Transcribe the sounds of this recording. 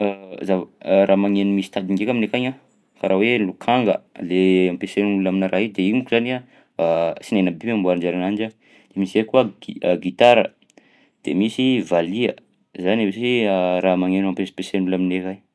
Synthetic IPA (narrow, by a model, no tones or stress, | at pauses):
zavɾʔamaŋenumisi̥t̪ad̪iŋɡekaminekaɲa | faɾawelukʰaŋɡə̰leampesenuulaminaɾaɦid̪eimukuzania | sinenəbiambuaɾand͡ʒaɾanand͡ʒa | d̪̥emisekuəəɡit̪aɾə̰ | d̪̥ḛmisivaliə̰ | zanawesiɾamaŋenampesi̥pesenulaminekaj